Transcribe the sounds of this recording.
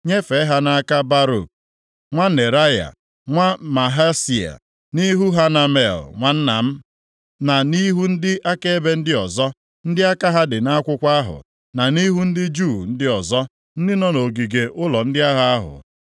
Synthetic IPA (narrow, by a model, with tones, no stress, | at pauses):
ɲe˦fe˨˦ɦa˦na˦a˦ka˦ba˦ɾo̰˨k̚ | ŋʷa˦ne˨ɾa˦ja̰˨ | ŋʷa˦ma˨ɦa˦si˨a̰˨ | ni˦ɦu˦ɦa˦na˨me˨lŋʷa˨n̩˦na˨m̩˦ | na˨ni˦ɦu˦n̩˦dɪ˦ʔa˦ke˦e˦be˦n̩˦dɪ˦ɔ˨zɔ˦ | n̩˦dɪ˦a˦ka˦ɦa˦dɪ˨na˦a˦kʷʊ˦kʷa˦a˦ɦʊ̰˨ | na˨ni˦ɦu˦n̩˦dɪ˦d͡ʒu˦˨n̩˦dɪ˦ɔ˨zɔ˦ | n̩˦dɪ˦nɔ˦no˨ɡi˨ɡe˨ʔʊ˦lɔ˨n̩˦dɪ˦a˦ɦa˦a˦ɦʊ̰˨